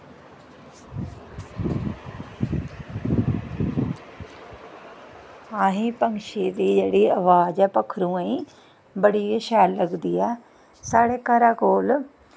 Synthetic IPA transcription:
aːɦĩːpəŋʃeːd̪eːd͡ʒeːɽeːəʋaːd͡ʒɛːpəkʰːɾũːaĩː | bəɽiːeʃɛːlːəɡd̪iːɛː | saːɽeːkəɾaːkoːl

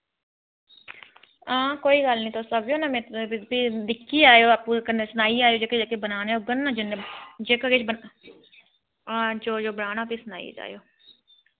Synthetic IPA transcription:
ãːkoːiːɡəlnĩːt̪ʰoːsəbjõːnamẽːpiːd̪ɪkʰːiːaːjoːpũːkənesənaːiːaːjoːd͡ʒeːked͡ʒekebənaːneːoɡənːãːd͡ʒɪned͡ʒeːkəɡeːt͡ʃbə | d͡ʒoːd͡ʒoːbənaːnãːpiːsəna̰ːḭːd͡ʒa̰ːjoː

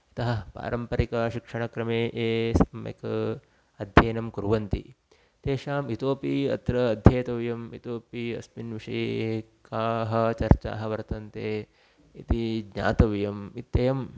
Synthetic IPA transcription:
it̪ɐɦɐ̆pa̰ːɾʔɐmpɐɾikɐʃikʂɐɳɐkɾɐmeːʔeːsɐmjɐ̰kɐ | ɐd̪ʱjeːnɐmkuɾʋɐnt̪ḭ | t̪eːʃaːmit̪oːpiɐ̰t̪ɾɐːd̪ʱjeːt̪ɐʋjɐmḭt̪oːpiɐ̰sminʋiʂɐje | kaːɦɐ̆t͡ʃɐɾt͡ʃa̰ːɦɐ̆ʋɐɾt̪ɐnt̪eː | it̪iɡɲa̰ːt̪ɐʋjɐmit̪jɐjɐm

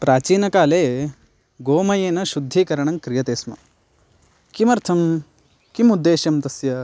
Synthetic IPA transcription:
pɾaːt͡ʃiːnɐkaːleː | ɡoːmɐjeːnɐʃud̪ʱːikɐɾɐɳɐŋkɾijɐt̪eːsmɐ̰ | kimɐɾt̪ʰɐm | kimud̪ːeːʃjɐmt̪ɐsjɐ

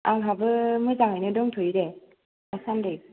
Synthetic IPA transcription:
aŋɦabɯmɯzaŋajnɯdɔŋtʰɔjɾe | asandɯj

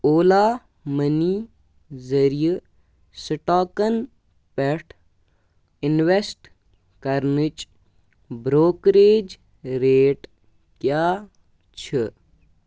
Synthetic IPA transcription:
oːlaː | məniː | zɐɾijə | səʈaːkɐn | peʈʰ | ɪnʋesʈ | kɐɾnit͡ʃ | bɾoːkɾeːd͡ʒ | ɾeːʈ | kjaː | t͡ʃʰi

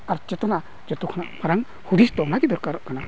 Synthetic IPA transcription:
aɾt͡ʃɛt̪ɔna | d͡ʒɔt̪ukʰanaʔbaɾaŋ | hud̪ist̪ɔnaɡid̪ɔɾkaɾɔʔkana

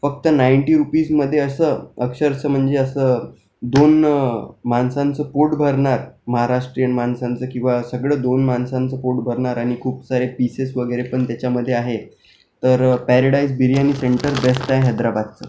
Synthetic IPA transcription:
fək̚t̪ənajɳʈiɾupiːsməd̪ʱːjeəsəəkʂəɾt͡səːm̤əɳd͡zeəsəː | d̪on | mansãnt͡səpoʈbʱəɾɳaɾməɦaɾaʂʈɾijənmansant͡səːkĩw̃ʋasəɡɭəːd̪onmansãnt͡səpoʈbʱəɾɳaɾaɽ̃ikʰuːpsaɾepisesʋəɡəjɾepəɳt̪jat͡ɕjaməd̪ʱːjeaɦe | t̪əɾpæɾəɽaisbiɾiañiseɳʈəɾbesʈ̪aeɦɛd̪ɾabad̪̚t͡sə̰ː

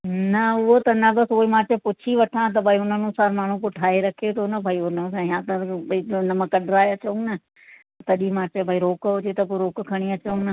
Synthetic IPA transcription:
nɐʊɦot̪ɐnɐbɐsoːimãːt͡ʃepʊt͡ʃʰiʋɐʈʰãt̪̬ɐbʱaːiʊn̤ənũsaːɾmaːɳ̤ũpʊʈʰaːeɾɐkʰet̪ʰonɐbʱaːiʊnə̃sãɪɦãt̪ɐbinɐmə̃kɐɗɾaːeɐt͡ʃõnɐ | t̪ɐt̪ɐɗimãːt͡ɕɐbʱaːiɾoːkɦʊd͡ʑet̪ɐpoɾoːkkʰɐɽ̃iɐt͡ʃoũnɐ

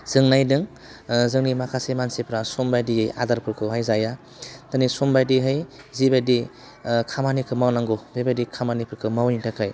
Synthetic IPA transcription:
z̥ɯŋnajdɯŋ | zɯŋnimakʰasemansepʰɾasombajdijɯja̰d̪aɾpʰɯɾkʰɯɦajzaja | t̪ɯnisombajdiɦɯj | zibajdi | kʰamanikʰɯmawnaŋɡobebajdikʰamanipʰɯɾkʰɯmawniŋtʰakʰaj

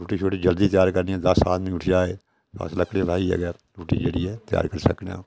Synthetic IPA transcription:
ɾuːʈiːt͡ʃʰoːʈiːd͡ʒəld̪iːt̪jaːɾkəɾniɛ̃ːd̪əsːa̰ːt̪mĩːʊʈʰd͡ʒaːeː | t̪oə̰sləkɽelaːiə̰ɡɛːɾ | ɾuːʈiːd͡ʒəɽiːɛːt̪ɪja̰ːɾkəɾsəknã̰ː

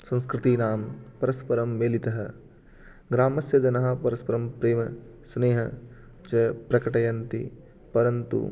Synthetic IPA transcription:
sɐ̃nskɾɪt̪iːnaːmpɐɾɐspɐɾɐmʋeːlit̪ɐɦɐ | ɡɾaːmɐsjɐd͡ʒɐnɐɦɐ̆pɐɾɐspɐɾɐmpɾeːmɐ | sneːɦɐ | t͡ʃɐpɾɐkɐʈɐjɐnt̪ḭ | pɐɾɐnt̪ṵ

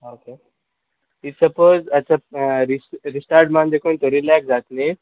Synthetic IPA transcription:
oke | itsəpozat͡ɕaɾiɾisʈaɾʈmãnd̪ekont̪oɾilaksd͡zat̪le

